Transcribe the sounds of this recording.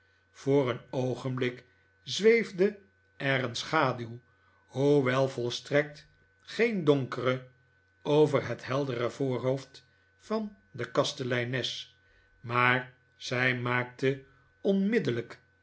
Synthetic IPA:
v̥ʊːrənowχənblɪk | zʋejvdə | ɛrənsχaːdylˠ | huʋɛlˠvɔlˠstrɛk̚t | χejndɔŋkərə | owvərɦətɦɛlˠdərəvʊːɹɦowft | fɑn | dəkɑstəlɛjnɛs | maːɹ | z̥ɛjmaːk̚tə | ɔnmɪdələk

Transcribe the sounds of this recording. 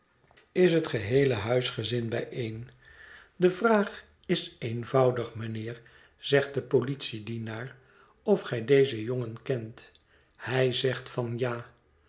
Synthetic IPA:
ɪsɦətχəɦejləɦœɥsχəzɪnbɛjejn | dəvraːχ | ɪsejnvɑwdəχmənɪːɹ | z̥ɛχt̚dəpolitsidinaːɹ | ɔfχɛjdejzəjoŋənkɛnt | hɛjzɛχtfɑnjaː

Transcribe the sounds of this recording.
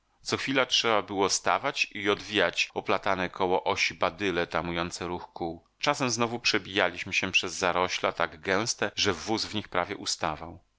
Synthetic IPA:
t̪sɔxfʲilatʂɛbabɘwɔst̪a̰vat͡ɕiɔd̪vʲijat͡ɕɔplat̪anɛkʰɔwɔʔɔɕibad̪ɘlɛt̪amujɔnt̪sɛɾuxkuw | t͡ʂasɛmznɔvupʂɛbʲijalʲiɕmɘɕɛpʂɛzːaɾɔɕlat̪aɡɡɛ̃w̃st̪ɛʐɛvuzvɲixpɾavʲjɛʔust̪avaw

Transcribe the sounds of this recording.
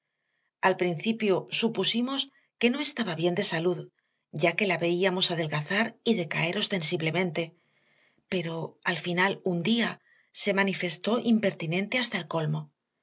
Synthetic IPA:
alpɾin̟θipjosupusimo̞s | ke̞no̞e̞st̪aβaβje̞nd̪e̞saluð | ɟ͡ʝake̞laβe̞iamo̞saðe̞lɣaθaɾiðe̞ka̰e̞ɾo̞st̪e̞nsiβle̞mẽ̞nt̪e̞ | pe̞ɾo̞alfinalund̪ia | se̞manife̞st̪o̞ʔimpe̞ɾt̪inẽ̞nt̪e̞ast̪aelko̞lmo̞

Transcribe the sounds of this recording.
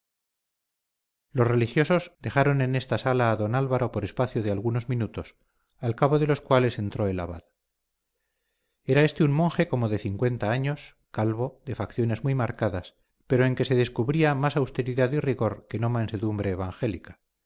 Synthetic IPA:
lo̞sre̞lixjo̞so̞zd̪e̞xaɾo̞ne̞ne̞st̪asalaːðo̞nalβaɾo̞po̞ɾe̞spaθjoð̞ealɣuno̞zmĩnut̪o̞s | alkaβ̞o̞ðe̞lo̞skwale̞se̞nt̪ɾo̞e̞laβa̰ð | e̞ɾae̞st̪eummo̞ŋxe̞ko̞mo̞ðe̞θiŋkwe̞nt̪aaɲo̞s | kalβo̞ðe̞fakθjo̞ne̞zmujmaɾkaðas | pe̞ɾo̞e̞ŋke̞se̞ðe̞skuβɾiamasawst̪e̞ɾiðaðiriɣo̞ɾke̞no̞mãnse̞ðumbɾe̞ːβ̞aŋxe̞likḁ

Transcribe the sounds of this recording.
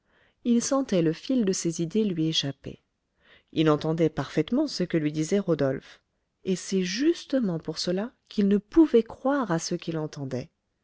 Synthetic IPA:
ilsɑ̃t̪ɛləfild̪əsezid̪elɥieʃapḛ | ilɑ̃t̪ɑ̃d̪ɛpaʁfɛt̪mɑ̃səkəlɥid̪izɛʁɔd̪ɔlf | esɛʒyst̪əmɑ̃puʁsəlakʰilnəpuvɛkχwaʁasəkilɑ̃t̪ɑ̃d̪ɛ

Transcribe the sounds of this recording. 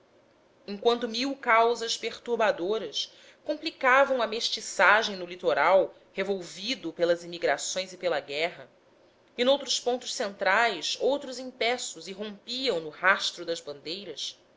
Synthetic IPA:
ẽŋkwɐ̃nt̪ʊmiwkawzɐspeχt̪uɾbad̪oɾɐs | kõmplikavɐ̃w̃ɐmeʃt͡ʃisaʒẽj̃nʊlit̪oɾaw | hevowvid̪ʊpelɐzimiɡɾasõj̃zɪpelɐɡɛɦɐ | ɪnowt̪ɾʊspõnt̪ʊʃsẽnt̪ɾajsowt̪ɾʊzĩpɛsʊzɪɦõpiɐ̃w̃nʊhaʃt̪ɾʊd̪ɐzbɐ̃nd̪ejɾɐs

